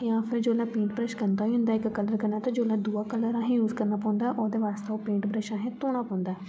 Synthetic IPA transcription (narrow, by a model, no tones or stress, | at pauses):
jãːpʰɪɾd͡ʒoːlaːpĩːɳʈbɾəʃkənd̪aːiɦʊ̃nd̪aːɪkkələɾkəɾnaːt̪ãːd͡ʒoːlãd̪uːaːkələɾãːɦẽjuːzkəɾnaːpɔ̃ːnd̪aʔoːd̪eːʋaːst̪eopĩːɳʈbɾəʃãːɦẽːt̪oːɽ̃aːpɔ̃ːnd̪aː